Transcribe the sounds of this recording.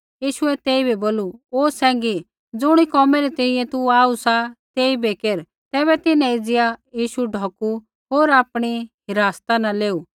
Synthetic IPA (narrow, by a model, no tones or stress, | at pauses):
jiːʃʊɛt̪eːibɛboːluoːsɛ̃ːŋɡi | d͡zʊɽ̃ikɔːmɛɾit̪ɛɪĩjɛ̃t̪uaːusat̪eːibɛkeɾ | t̪ɛːbɛt̪ɪnãid͡zɪjajiːʃuɖʱɔːku | ɦoːɾaːpɽ̃iɦɪɾaːst̪anãleːuː